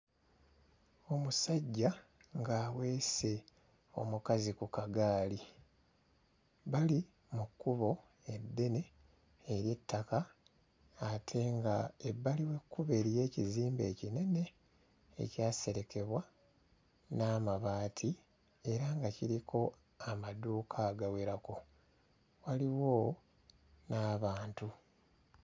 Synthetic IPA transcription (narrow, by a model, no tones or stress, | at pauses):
o̞musaɟːa | ŋɡaːwe̞ːse̞ | o̞̰mukazikukaɡaːli | βali | mukːuβo̞ | e̞dːe̞ne̞ː | ɾje̞tʰːakaː | tʰe̞ŋɡaebːaliwe̞kːuβe̞ɾije̞ːciziːmbe̞ːcine̞ne̞̰ː | caːse̞ɾe̞ke̞βwa | naːmaβaːtʰi | e̞ɾaŋɡaciɾikʰo̞ | amaduːkʰaːɡaweɾako̞ | waliwo̞ | naːβaːntu